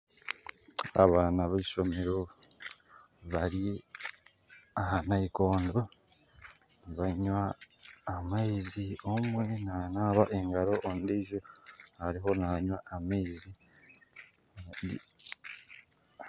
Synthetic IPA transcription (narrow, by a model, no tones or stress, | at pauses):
a̰βaːnaβeiʃo̞me̞ɾo | βaɾi | ahanaiko̞ːndo | niβaɲwaː | maiziomwe̞nanaːβaʔe̞ŋɡaɾo̞ʔondeʒohaɾiɦo̞naɲwaameizi